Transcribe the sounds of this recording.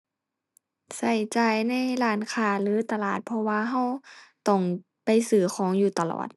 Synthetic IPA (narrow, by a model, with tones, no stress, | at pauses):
sa˧˩jt͡ɕaː˨jna˧˥˨jlaː˧˩nkʰaː˧˩lɯː˨˦t̪a˧laː˧˨˩t̪̚pʰɔ˧waː˧ɦa˧˨wt̪ɔ˧˩ŋ | pa˨jsɯː˨˩xʰɔː˨˦ŋjuː˧˩t̪a˧lɔ̰ː˨˩t̪̚